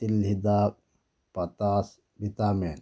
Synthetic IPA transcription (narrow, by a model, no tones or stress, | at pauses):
t̪ilɦid̪aːk̚ | pɐt̪aːs | bit̪aːmeːn